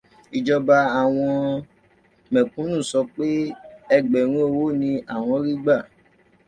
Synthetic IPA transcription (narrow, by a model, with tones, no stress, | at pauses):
i˨d͡ʒɔ˧ba˧a˨w̃ɔ̃˧ | mɛ̃˨kũ˨˦nũ˦˨sɔ˧k͡pe˦ɛ˧ɡ͡bɛ˨ɾ̃ũ˦e˦˧˨wo˦nĩ˧ʔa˦˨w̃ɔ̃˧˦ɾi˦ɡ͡ba˦˨